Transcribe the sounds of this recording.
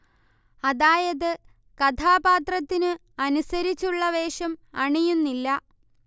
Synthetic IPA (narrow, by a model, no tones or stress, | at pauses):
ɐðaːjɐðɨ | kɐt̪ʰaːbaːt̪rɐt̪ːinɨ | ɐnusɐɾit͡ɕːuɭːɐʋe̞ːʂɐmɐɳijunːilːɐ